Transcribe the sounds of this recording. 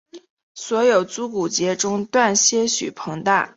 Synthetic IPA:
swɔ˧˥jo˨˩ʊt͡su˧˥ku˨˩t͡ɕjɛ˧˥ʈ͡ʂʊ˥ŋt̪wa˥˩nɕjɛ˥ɕy̰˨˩pʰɤ˧˥ŋt̪a˥˩

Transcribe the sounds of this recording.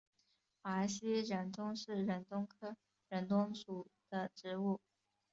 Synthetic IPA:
a˧˥ɕi˥ɻə˧˥nt̪ʊ˥ŋʂɻ̩˥˩ɻə˧˥nt̪ʊ˥ŋkʰɤ˥ | ɻə˧˥nt̪ʊ˥ŋʂu˨˩d̪̥ə˧˩ʈ͡ʂɻ̩˧˥u˥˩

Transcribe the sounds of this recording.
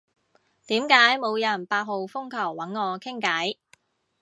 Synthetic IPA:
t̪iː˨˥mkaː˨˥jmo˨˧wjɐ˨˩npaː˧t̚ɦo˨˧wfʊ˥ŋkʰɐ˨˩wːɐ˨˥nŋɔː˨˧kʰɪ˥ŋkɐ˨˥j

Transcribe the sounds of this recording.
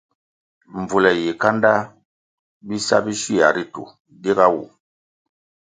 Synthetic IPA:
ɱvu˨lɛ˨je˨ka˦nda˦ | bi˦sa̰˦bi˦si˦a˨ɾi˦tṵ˨ | de˦ɡa˦wṵ˨

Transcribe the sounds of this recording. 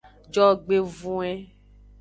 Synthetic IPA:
d͡ʒɔ˦ɡ͡be˨vũ˦ɛ˦

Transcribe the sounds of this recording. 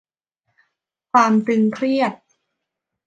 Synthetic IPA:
kʰwaː˧mt̪ɯ˧ŋkʰɾi˥˩ət̪̚

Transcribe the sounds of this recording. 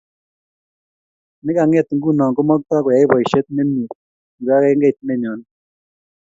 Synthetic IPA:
nɪ˦ka˨ŋɛ˦˨t̪ŋɡu˦˨nɔ˨ŋko˦mɔ˦k̚t̪ɔ˦kɔ˨ja˨ɪ˦bɔ˨i˨ʃe˦t̪̚me˦mji˨t | i˨ɾa˦kɛ˦ŋɡe˦˨t̚me˦˨ɲɔ˨n

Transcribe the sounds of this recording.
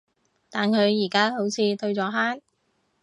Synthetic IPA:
t̪aː˨nkʰɵ˨˧ɥjiː˨˩kaː˥ho˨˥wt͡sʰiː˨˧t̪ʰɵ˧ɥt͡sɔː˨˥ɦaː˥n

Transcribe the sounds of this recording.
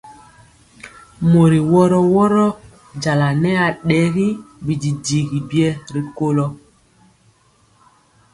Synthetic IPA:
mo˨ɾi˨wɔ˦ɾɔ˦wɔ˦ɾɔ˦ | d͡ʒa˨la˨nɛ˦a˨ɗɛ˨˦ɣi˦bi˨di˨di˨ɣi˨bi˦ɛ˦ɾi˨ko˦lɔ˦

